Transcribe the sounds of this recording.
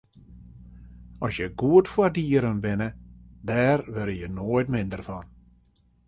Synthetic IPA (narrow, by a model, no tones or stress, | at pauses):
ɔsjəɡuətfwadiəɾənbɪnədɛːrʋøɾəjənoːjtmɪndərfɔn